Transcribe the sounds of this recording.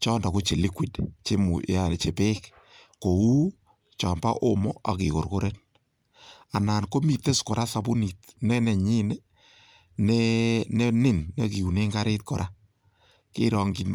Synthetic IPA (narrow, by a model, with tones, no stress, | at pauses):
t͡ʃɔː˦nda˨ko˦t͡ʃe˨li˦kwi˨tt͡ʃe˦mu˨jant͡ʃe˨pe˦k | ko˨wu˦ | t͡ʃɔː˨mba̰˦ʔo˦mo˦a˨kɪ˨ko˨rko˦ɾe˦n | a˨naː˨nko˦mi˨t̪ːe˦skɔ˨ɾʔa˦sa˨bu˦ni˨tnɛ˦nɛ˨ɲi˦ne˦ | nene˦nɪ˦nːe˦ki˨u˨ne˦ŋɡa˦ɾɪː˦tkɔ˨ɾʔa˦ | kɪ˦ɾɔ˨ŋɡi˨n